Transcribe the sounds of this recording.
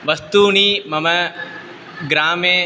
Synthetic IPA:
ʋɐst̪uɳiːmɐmɐ | ɡɾaːmeː

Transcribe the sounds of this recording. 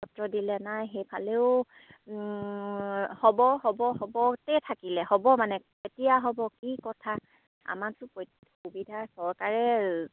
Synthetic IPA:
ɔtɹɔdilɛnajxejpʰaleʊ | hɔbɔɦɔbɔhɔbɔtɛtʰakilɛhɔbɔmanɛ | etijaɦɔbɔkikɔtʰa | a̰matʊpɔ | xubidʱasɔɹkaɹɛ

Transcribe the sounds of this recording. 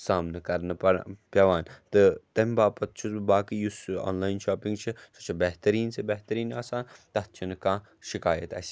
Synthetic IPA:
saːmnɐkɐɾnɐɐpʲjɐʋaːnt̪ɨt̪ɐmʲbaːpɐt̪̚t͡ʃʰubaːkijusɔ̰ːnlaːjnʃaːpĩŋɡt͡ʃʰisot͡ʃʰɐbeɦt̪ɐɾiːnsebeɦt̪ɐɾiːnaːsaːnt̪ɐt̪̚t͡ʃʰɐnɨkãː | ʃikaːjɐt̪ɐ̰s

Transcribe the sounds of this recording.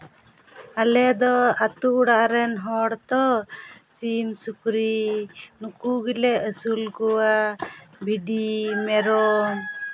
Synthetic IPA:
alɛd̪ɔat̪uʔuɽaʔɾɛnɦɔɽt̪ɔ | simsukɾinukuɡilɛəsulɡɔwabʱiɖimɛɾɔ

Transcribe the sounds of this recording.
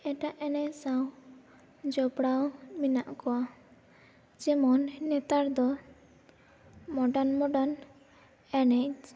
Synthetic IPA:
eʈaʔɛnɛsaw | d͡ʒɔbɽawminaʔkɔwa | d͡ʒemɔnːet̪aɾd̪ɔ | mɔɖanmɔɖan | ɛnɛjd͡ʒ

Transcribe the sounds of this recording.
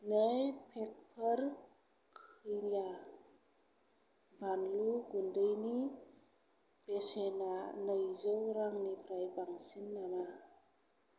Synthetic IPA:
najpʰek̚pʰəɾ | kʰɯjja | bʱanluɡundəjni | besenanəjzɔwɾaŋnipʰɾajbaŋsinːana

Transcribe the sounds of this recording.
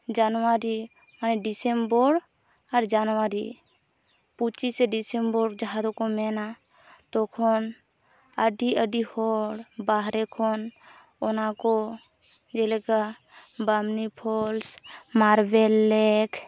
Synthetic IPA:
d͡ʒanwaɾi | manɛɖisembɔɾ | aɾd͡ʒanwaɾi | put͡ʃisɛɖisembɔɾd͡ʒaɦad̪ɔkɔmɛna | t̪ɔkʰɔn | əɖiəɖihɔɽbaɦɾɛkʰɔn | ɔnakɔ | d͡ʒɛlɛka | bamnipʰɔlsmaɾbɛlːɛkʰ

